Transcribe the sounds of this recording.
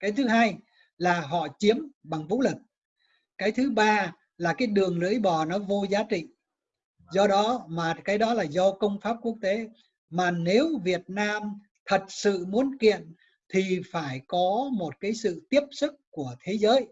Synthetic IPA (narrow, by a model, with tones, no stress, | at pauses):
kaː˨˦jt̪ʰɨ˨˦ɦaː˧j | laː˨˩ɦɔ̰˧˨t͡ɕi˨˦əmɓa˨˩ŋvṵ˧˥li˨˩k̚ | kaː˨˦jt̪ʰɨ˨˦ɓaː˧ | laː˨˩kaː˨˦jɗɨ˨˩əŋlɨ̰˧˥əjɓɔ˨˩nɔ˨˦vo˧zaː˨˦t͡ɕḭ˧˨ | zɔ˧ɗɔ˨˦maː˨˩kaː˨˦jɗɔ˨˦laː˨˩zɔ˧kə˧wŋ͡mfaː˦˥p̚ku˦˥ək̚t̪e˨˦ | maː˨˩ne˨˦wvi˨˩ət̚naː˧m | t̪ʰə˨˩t̚sɨ̰˧˨mu˨˦ənkḭ˧˨ən | t̪ʰi˨˩faː˧˩jkɔ˨˦mo˨˩t̚kaː˨˦jsɨ̰˧˨t̪i˦˥əp̚sɨ˦˥k̚ku˧˩ət̪ʰe˨˦zəː˨˦j